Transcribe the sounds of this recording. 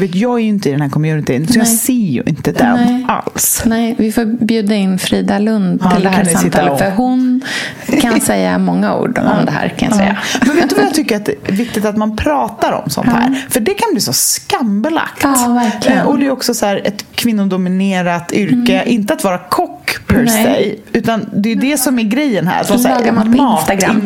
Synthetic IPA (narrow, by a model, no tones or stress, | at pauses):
veːt̪jɑːɡæɾjɪnt̪əɪd̪ɛnhæːɾkʰɔmjʉːnɪt̪ʰiːnsɔjɑːseːjʉ̰ʔɪ̰nt̪əd̪ɛna̰lsnɛvɪfoːbjʉ̟ːd̪aɪnːfɾiːd̪alɵnd̪ɪld̪ɛkʰansɪt̪ːalfəɾɦʊn | kʰansɛjːa̰mɔŋːaṵːɖɔ̰md̪ɛɦæ̰ːɾkʰa̰nja̰sɛ̰jːammɛnveːt̪ɵvajat̪ʰʏkːəɾat̪̚d̪ɛvɪk̚t̪ɪt̪at̪manpʰɾɑːt̪aɾɔ̰msɔ̰nt̪hæ̰ːɾfœɖɛkʰanbliːsɔskambəla̰kt̪ːvæɾʔɔd̪ɛjɔksɔsæːɾɛt̪kʰvɪnːʊd̪ʊmɪneːɾat̪ʏɾkəʔɪnt̪əat̪vɑːɾakʰɔkːpʰɛɾsɛ̰jʉ̟ːt̪and̪ɛjd̪ɛsɔmæɾɡɾɛjːənɦæ̰ɾat̪vɑsːlɑːɡaɾmanʰmɑːst̪t̪aɡɾan